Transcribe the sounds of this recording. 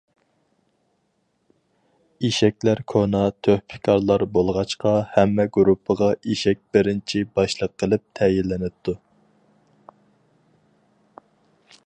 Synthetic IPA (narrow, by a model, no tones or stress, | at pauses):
iʃɛkʲlæɾkʰonɑt̪ʰøhpʰɪ̥kʰɑɾlˠɑɾbolˠʁɑt͡ʃqɑhæmːɛɡuɾupʰːəʁɑʔiʃɛk̚ʲbɪɾɪnt͡ʃʰibɑʃlˠəqʰːəlˠɨp̚t̪ʰɛjilːɪnɪt̪ʰːu